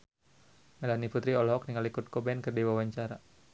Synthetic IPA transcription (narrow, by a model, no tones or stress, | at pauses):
mɛlaniput̪ɾiɔlɦɔk̚niŋalikʊt̪̚kɔbɛnkərdiwawaɲt͡ʃaɾa